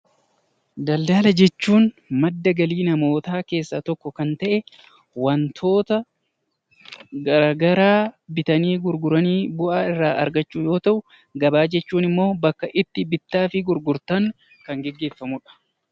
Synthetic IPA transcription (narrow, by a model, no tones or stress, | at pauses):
d̪ɐld̪aːlɐd͡ʒɛt͡ʃːuːn | mɐd̪ːɐɡɐliːnɐmo̞ːt̪aːke̞ːsːat̪ɔkːɔkɐnt̪ɐʔɛ | wɐnt̪ʰo̞ːt̪ɐ | ɡɐɾaɡɐɾaːbɪt̪ɐniːɡʊɾɡʊɾɐniːbʊʔaːɪrːaːʔɐɾɡɐt͡ʃːuːjo̞ːt̪ɐʔʊ | ɡɐbaːd͡ʒɛt͡ʃːuːnɪmːo̞ːbɐkːɐʔɪt̪ːɪbɪt̪ːaːfɪɡʊɾɡʊɾt̪ɐŋ | kɐŋɡɛɡːe̞ːfːɐmʊᶑɐ̥